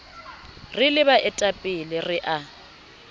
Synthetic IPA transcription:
rɪlɪbaʔɛtʼapʼɪlɪrɪʔa

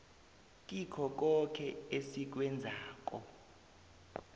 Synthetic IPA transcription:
kʼikʰɔk̬ɔkʰɛesik̬wɛnd͡zʱaːk̬ʼɔ

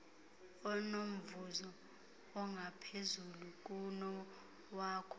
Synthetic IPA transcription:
ɔnom̩vuzɔ | ɔŋɡʱapʰezuluk̬ʼunɔ | waːkʰɔ̥

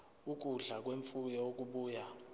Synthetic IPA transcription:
uk̬ʼuɮak̬weɱfujɛwok̬ʼuɓuːja

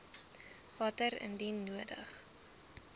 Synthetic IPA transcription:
vɐtəɾə̰ndinːuədə̰χ

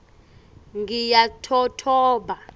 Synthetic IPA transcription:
ŋɡijatʰɔtʰɔːɓa

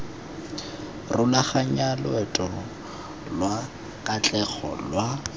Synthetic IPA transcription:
rʊlaχaɲalwɛtʼɔ | lwa | kʼat͡ɬʼɛχɔ̰lwa

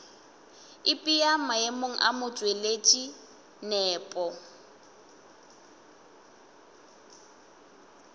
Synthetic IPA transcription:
ɪpʼijam̩ajemoŋ̩ʔamʊt͡ʃʼwelet͡ʃʼi | nɛːpʼɔ

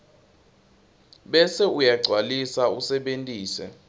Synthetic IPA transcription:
ɓɛsɛujaɡ͡ǀʱwalisausɛɓentʼiːsɛ̰

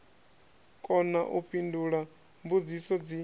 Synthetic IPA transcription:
kʼɔnaʔupʰʼinduɺa | mbud͡zisɔd͡zi

